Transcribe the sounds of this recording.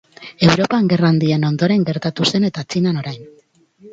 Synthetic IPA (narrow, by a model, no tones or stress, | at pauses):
e̞wɾo̞paŋɡe̞rand̪ie̞no̞nd̪o̞ɾe̞ŋɡe̞ɾt̪at̪use̞ne̞t̪aːt͡sinano̞ɾajn